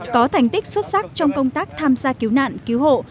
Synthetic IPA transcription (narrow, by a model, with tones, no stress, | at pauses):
kɔ˨˦t̪ʰa˨˩jŋ̟t̪i˦˥k̟̚swə˦˥t̚sa˦˥k̚t͡ɕɔ˧wŋ͡mkə˧wŋ͡mt̪aː˦˥k̚t̪ʰaː˧mzaː˧ki˨˦wna̰ː˧˨nki˨˦wɦo̰˧˨